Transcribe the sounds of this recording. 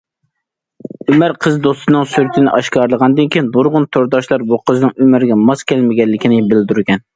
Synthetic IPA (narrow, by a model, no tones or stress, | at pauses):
ymæɾqʰəzd̪ost̪ɨnɨŋsyɾyt̪ʰɪnɪʔɑʃkɑɾlˠəʁɑnd̪ɨnkʲʰijinboɾʁʊnt̪ʰoɾd̪ɑʃlˠɑɾbuqʰəznɨŋymɪɾɡʲɛmɑskʲɛlmɪɡʲɛnlːɪkʲinɪbɪld̪yɾɡʲɛn